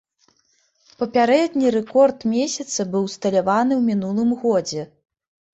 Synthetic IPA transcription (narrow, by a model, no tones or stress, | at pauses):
pɐpʲaɾɛd̪ʲnʲiɾɛkɔrt̪mʲesʲɐt̪sɐbɨwst̪ɐlʲavanɨwmʲinulˠɨmɣɔd͡zʲɛ